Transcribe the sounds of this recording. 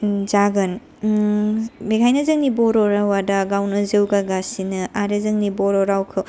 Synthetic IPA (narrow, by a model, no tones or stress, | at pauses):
d͡ʒaɡɯn | bekʰajnɐzɯŋnibɔɾɔɾawadaɡawnɯzewɡaɡasinɯaɾezɯŋnibɔɾɔɾawkʰɯ